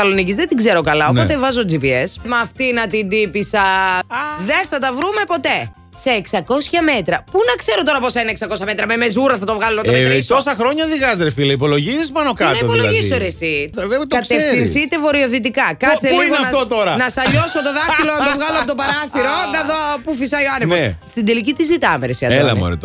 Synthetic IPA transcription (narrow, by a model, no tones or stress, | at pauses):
ɐlo̞nicizðed̪iɡze̞ɾo̞kɐlɐopot̪evɐzod͡zipiesmɐːft̪inɐt̪ind̪ipisɐ | ðe̞nθɐt̪ɐvɾume̞po̞t̪e̞ | se̞ːksɐko̞sçɐme̞t̪ɾɐpunɐkse̞ɾo̞t̪o̞ɾɐpo̞sɐineeksɐko̞sçɐmet̪ɾɐme̞me̞zuɾɐθɐt̪ovɣɐloɐpoomeosɐxɾo̞ɲɐðiɣɐzɾefilɐipo̞lo̞ʝisizmɐnokɐtnɐiopoiloɐðʝisoɾesiðet̪oɐseeɾinθit̪e̞vo̞ɾioðit̪̬ikɐkɐseiɐft̪ot̪o̞ɾɐnɐsɐʎo̞sot̪oðɐilonɐnt̪ovɣɐloɐpot̪opɐɾɐθiɾo̞nɐðopufisɐioɐniposst̪ind̪e̞licit̪izit̪ɐmeɾesiɐðelɐ̰mo̰ɾḭt̪